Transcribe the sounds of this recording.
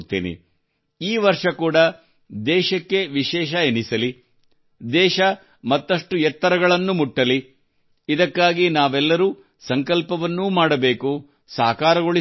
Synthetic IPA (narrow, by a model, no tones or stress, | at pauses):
t̪ːḛːnḭ | iːʋɐɾʂɐkuːɽɐ | d̪ɛːʃɐkːe̞ʋiʃɛːʃɐenisɐli | d̪ɛːʃɐ | mɐt̪ːɐʂʈujɛt̪ːɐɾɐɡɐɭɐnːumuʈːɐli | id̪ɐkːaːɡinaːʋɛlːɐɾuː | sɐŋkɐlpɐʋɐnːuːmaːɽɐbe̞ːku | sa̰ːkaːɾɐɡoɭi